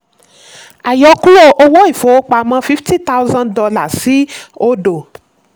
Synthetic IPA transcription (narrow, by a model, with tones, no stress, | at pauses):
a˨jɔ˧˦ku˦o˧ʔo˧wɔ˦i˦˨fo˨˦o˦k͡pa˧mã˦fi˦fti˦ta˦wzã˧ndɔ˨˧la˨si˦o˦do˨